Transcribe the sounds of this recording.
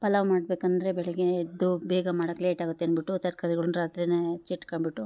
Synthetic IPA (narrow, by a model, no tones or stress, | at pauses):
pɐlɐʋmaːɽbeːkɐnd̪ɐɾebɛɭɛɡeːd̪ubɛːɡɐmaːɽɐkːleːʈaːɡut̪ːeɐnbiʈːut̪ɐɾkaɾiɡɐɭunɾaːt̪ɾinet͡ʃiʈːkɐɳbiʈːu